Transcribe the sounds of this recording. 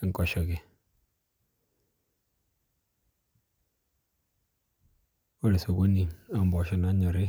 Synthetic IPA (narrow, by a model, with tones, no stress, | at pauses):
ɪ˨ŋ˨kɔ˨ʃɔ˨ke˨ | o˦le˨so˨ko˦ni˨a˦˨mbɔ˨ʃi˨na˦ɲo˨ɾe˦